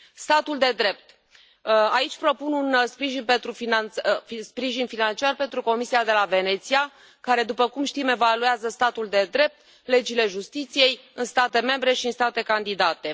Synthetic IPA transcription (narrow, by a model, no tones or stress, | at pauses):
st̪at̪uld̪e̞d̪ɾe̞p̚t̪ | ait͡ʃʲpɾo̞pununspɾiʒinpe̞nt̪ɾufinanspɾiʒinfinant͡ʃiarpe̞nt̪ɾuko̞misiad̪e̞lave̞ne̞t̪sia | kaɾe̞d̪upəkumʃt̪ime̞valueazəst̪at̪uld̪e̞d̪ɾe̞p̚t̪ | le̞d͡ʒile̞ʒust̪it̪sije̞jɨnst̪at̪e̞me̞mbɾe̞ʃiɨnst̪at̪e̞kand̪id̪at̪e̞